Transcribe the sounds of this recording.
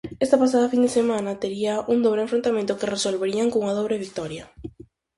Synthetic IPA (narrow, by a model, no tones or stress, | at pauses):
est̪apas̬aðafind̪esemãnat̪eɾiaʔund̪oβɾẽɱfɾont̪amẽnt̪ʊkeresolβeɾiaŋkõŋaðoβ̞ɾeβik̚t̪ɔɾja